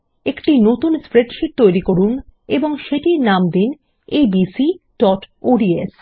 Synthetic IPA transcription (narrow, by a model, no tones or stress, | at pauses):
ekʈinot̪unspɾeɖʃiʈ̚t̪ojɾikoɾuneboŋʃeʈinamd̪in | ebisiɖ̥ɔʈoɖies